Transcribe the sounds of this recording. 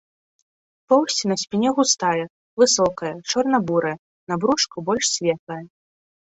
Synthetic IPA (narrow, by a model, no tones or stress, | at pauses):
pɔwsʲt͡sʲinɐsʲpʲinʲɛɣust̪ajɐ | vɨsɔkɐjɐt͡ʂɔrnɐbuɾɐjɐ | nabɾuʂkubɔlʲʂsʲvʲɛt̪lˠɐjɐ